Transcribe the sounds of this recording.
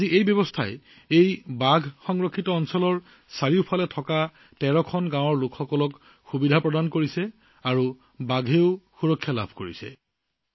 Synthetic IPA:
aziʔejbjɔbɔstʰa̰j | ejbaɡʱxɔŋɹɔkʰːitɔːnsɔlɔɹ | saɹiʊpʰalɛtʰɔka | tɛɹɔkʰɔnɡãwɔɹlʊkʰxɔkɔlɔk | xubidʱapɹɔdankoɹisɛ | aɹu | baɡʱeʊxuɹɔkʰːjala̰bʱkoɹisɛ̰

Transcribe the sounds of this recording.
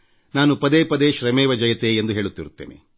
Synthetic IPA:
naːnupɐd̪eːpɐd̪eːʃɾɐmɛːʋɐd͡ʒɐjɐt̪eend̪uɦe̞ːɭut̪ːiɾut̪ːḛːnḛ

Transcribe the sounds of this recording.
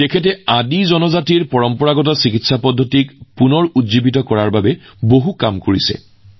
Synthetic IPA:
tɛkʰɛtɛadizɔnɔzatiɹpɔɹɔmpɔɹaɡɔt̬ɔsikitsapɔdʱːotikpunɔɹutzibit̬ɔkɔɹaɹbabɛboɦukamkoɹisɛ̰

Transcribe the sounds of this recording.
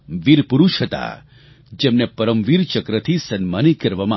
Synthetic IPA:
ʋiɾpuɾuʃɦət̪a̰ | d͡ʒemnepəɾəmʋiɾt͡ʃəkɾət̪ʰisənmanikəɾʋamã

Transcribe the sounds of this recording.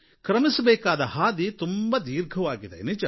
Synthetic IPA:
kɾɐmisɐbɛːkaːd̪ɐhaːd̪it̪umbɐd̪iːɾɡʱɐʋaːɡid̪enit͡ʃɐ

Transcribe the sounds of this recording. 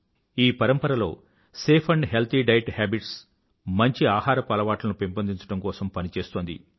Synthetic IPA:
iːpɐɾɐmpɐɾɐlo̞̰ː | seːpʰɐɳɖɦelt̪iɖɐjʈhaːbiʈs | mɐɲt͡ʃiaːhaːɾɐpɐlɐʋaːʈlɐnupempɐnd̪iɲt͡ʃɐɽɐmkɔːsɐmpɐnit͡ʃe̞ːst̪oːnd̪ḭ

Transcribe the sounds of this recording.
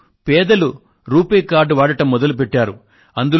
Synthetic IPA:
pɛːd̪ɐlu | ɾuːpeːkaːɾɖʋaːɽɐʈɐmːɔd̪ɐlupɛʈːaːɾu | ɐnd̪u

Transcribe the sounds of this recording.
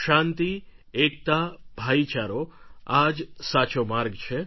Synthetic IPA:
ʃãnt̪i | ek̚t̪abʱait͡ʃaɾoad͡ʒsat͡ʃomaɾɡt͡ʃʰe

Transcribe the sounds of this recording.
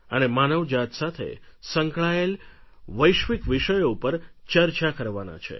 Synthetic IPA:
ənemanəʋd͡ʒat̪sat̪ʰḛsə̃ŋkɭaelʋəjʃʋikʋiʃəjoupəɾt͡ʃəɾt͡ʃakəɾʋana̰t͡ʃʰḛ

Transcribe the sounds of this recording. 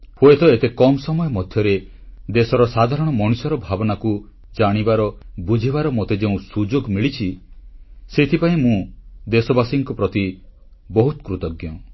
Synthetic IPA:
hoet̪ɔet̪ekɔmɔsɔmɔjɔmɔd̪ʱjɔɾe | d̪esɔɾɔsad̪ʱaɾɔɽ̃ɔmɔɽ̃usɔɾɔbʱabɔnaku | d͡ʒaɽ̃ibaɾɔbud͡ʒʱiβaɾɔmot̪ed͡ʒeũsud͡ʒoɡmiɭit͡ʃʰi | set̪ʰipaĩmũd̪esɔbasiŋkupɾɔt̪i | bɔɦut̪kɾut̪ɔɡjɔ

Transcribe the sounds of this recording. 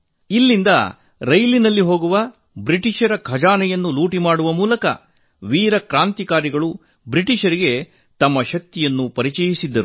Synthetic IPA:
ilːind̪ɐ | ɾɐjlinɐlːiɦo̞ːɡuʋɐ | bɾiʈiʃɐɾɐkʰɐd͡ʒaːnɛjɐnːuluːʈimaːɽuʋɐmuːlɐkɐ̰ | ʋiːɾɐkɾaːnt̪ikaːɾiɡɐɭu | bɾiʈiʃɐɾiɡe̞ | t̪ɐmːɐʃɐk̚t̪ijɐnːupɐɾit͡ʃɛjisid̪ːɐɾu

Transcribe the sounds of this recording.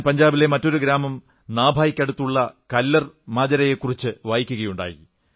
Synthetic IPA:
pɐɲd͡ʑaːbile̞mɐtːo̞ɾuɡɾaːmɐm | naːbʱaːjikʲːɐɽut̪ːuɭːɐkɐlːɐr | maːd͡ʑɐɾɐjekːurit͡ɕːɨʋaːjikʲːuɣɐjuɳɖa̰ːjḭ

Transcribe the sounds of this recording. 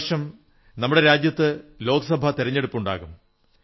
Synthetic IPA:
ʂɐm | nɐmːuɽe̞ɾaːd͡ʑjɐt̪ːɨlo̞ːɡɐsɐbʱɐt̪iɾɐɲːe̞ɽupːuɳɖa̰ːɣum

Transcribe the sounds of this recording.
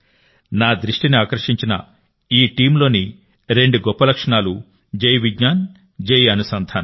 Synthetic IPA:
naːd̪ɾiʂʈiniaːkɾɐʂiɲt͡ʃinɐ̰ | iːʈiːmlo̞ːni | ɾe̞ɳɖuɡɔpːɐlɐkʂɐɳaːlu | d͡ʒejʋiɡɲaːn | d͡ʒejiɐnusɐnd̪ʰʱaːn

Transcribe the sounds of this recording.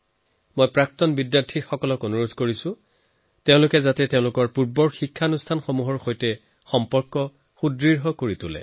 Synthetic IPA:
mojpɹak̚tɔnbidjaɹtʰiɹxɔkɔlɔkonuɹodʱkoɹisʊ̃ | teʊ̃lʊkɛzatɛteʊ̃lʊkɔɹpuɹbɔɹxikʰːanustʰanxomuɦɔɹxojtɛ | xɔmpɔɹkːɔ | xudɹiɹɦɔkoɹitʊlɛ̰

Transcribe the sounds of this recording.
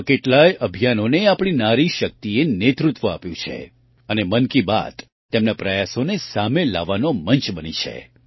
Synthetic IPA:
keʈlajəbʱijanoneapɽ̃inaɾiʃək̚t̪ienet̪ɾut̪ʋəa̰pjṵ̃t͡ʃʰḛ | ənemənkiba̰t̪ | t̪ːemnapɾəjasonesamela̰ʋanomənt͡ʃbənḭt͡ʃʰḛ

